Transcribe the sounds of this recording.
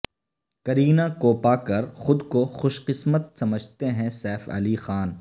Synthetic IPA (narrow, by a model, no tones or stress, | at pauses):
kɐɾiːnakoːpakɐɾxʊd̪koxʊʃqɪsmət̪̚sɐməd͡ʒʱt̪eɦɛ̃sɛːfɐ̰lixaːn